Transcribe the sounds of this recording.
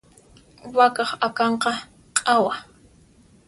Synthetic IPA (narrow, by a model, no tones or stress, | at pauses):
wakɑχakɑɴqɑ | qʼawa